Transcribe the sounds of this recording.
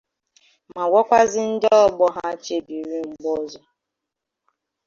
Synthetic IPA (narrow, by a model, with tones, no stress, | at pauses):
ma˨wɔ˦kʷa˦zɪ˦n̩˦dɔ˦ɔ˦bɔ˦ɦa˦t͡ʃe˨bi˨ɾi˦ŋ͡m̩˨ɡ͡bɔ˦zɔ˦